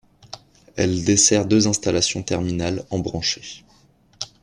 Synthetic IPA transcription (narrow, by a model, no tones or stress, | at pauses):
ɛ̰ld̪esɛʁd̪øzɛ̃st̪alasjɔ̃t̪ɛʁminalɑ̃bʁɑ̃ʃe